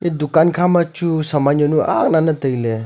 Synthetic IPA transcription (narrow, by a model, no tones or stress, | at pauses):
edukankʰamat͡ʃusɐmananuʔa̰k̚nanɐtɐjle